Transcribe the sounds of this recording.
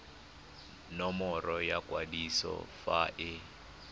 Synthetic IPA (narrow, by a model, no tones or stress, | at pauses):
nɔmɔɾɔjakʼwadisɔ̰faʔɪ